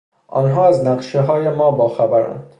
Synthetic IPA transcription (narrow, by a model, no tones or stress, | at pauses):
ʔɒːnɦɒːæznæqʃeɦɒːjemɒːbɒːxæbæɾæ̰nd̪̥